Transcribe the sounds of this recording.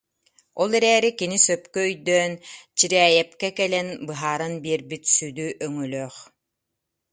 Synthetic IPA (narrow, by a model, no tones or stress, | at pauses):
ɔlˠɛɾɛːɾikinisœpkœœjd̪œːnt͡ɕiɾɛːjɛp̚kɛkɛlɛnbɯɦaːɾɯnbiːɾbit̪syd̪yʔœŋylœːχ